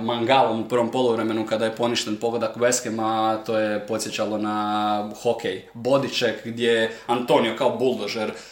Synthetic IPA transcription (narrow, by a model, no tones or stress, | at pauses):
maŋɡalomupr̩ʋompo̞lˠuʋɾeme̞nukad̪ajepo̞niʃt̪enpo̞ɡled̪akuʋeskemat̪o̞jepo̞t̪sje̞t͡ɕalˠo̞naxokʰej | bo̞d̪it͡ʃekɡd̪ʲjeant̪o̞nijokaobulˠd̪oʒeɾ